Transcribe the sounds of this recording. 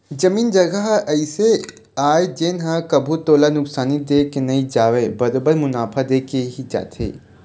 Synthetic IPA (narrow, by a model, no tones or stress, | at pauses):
d͡ʒɐmiːnd͡ʒɐɡəɦɐɪse | aːed͡ʒeːnɦãkɐbʱut̪oːlanʊksaːnid̪eːkenɐĩd͡ʒaːʋebɐɾoːbəɾmʊnaːpʰad̪eːkeɦid͡ʒa̰ːt̪ʰḛː